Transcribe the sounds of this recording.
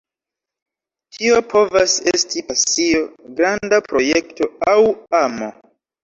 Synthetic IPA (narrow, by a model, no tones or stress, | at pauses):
tʰio̞pʰo̞vasestipasio̞ɡɾandapɾo̞je̞kto̞awamo̰